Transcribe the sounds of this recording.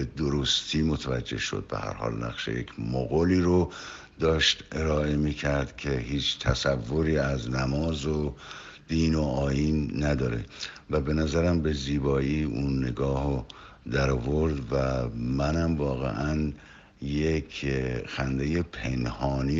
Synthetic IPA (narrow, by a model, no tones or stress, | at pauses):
ed̪oɾost̪ʰiːmot̪ʰævæd͡ʒːe̞̰hʃo̰d̪̥̚be̞̰hæ̰ɾhɒ̰ːlnæ̰ɣʃḛjecʰmoɣoliːɾo | d̪ɒːʃt̪ʔe̞ɾɒːʔe̞miːcʰæɾd̪̥kʰe̞hiːt͡ʃʰt̪ʰæsævːoɾiːæznæmɒːzo | d̪̥iːnoɒːiːnːæd̪ɒːɾe̞̰ | væbe̞næzæɾæmbe̞ziːbɒːiːunːe̞ɡɒːho | d̪æɾɔːvoɾd̪væmænæmvɒːɣe̞̰ʔæn | jekʰxænd̪e̞jepʰe̞nhɒːni